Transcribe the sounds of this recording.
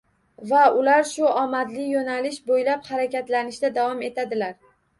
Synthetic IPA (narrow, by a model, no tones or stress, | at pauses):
vaʊlaɾʃʊʔɒmad̪lɪjonalɪʃbojlaphaɾakʲat̪lanɪʃd̪ad̪avɒme̞t̪ʰad̪ɪlaɾ